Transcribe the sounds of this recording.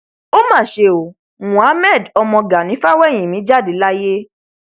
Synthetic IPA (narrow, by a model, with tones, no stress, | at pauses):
o˦mãː˦˨ʃe˧˨o˨ | wũ˨a˨˦mɛ̃˦˨dɔ˧mɔ̃˧ɡa˨nĩ˨˦fa˦wɛ˦˨j̃ĩ˨mĩ˨˦d͡ʒa˦˨de˨˦la˦je˦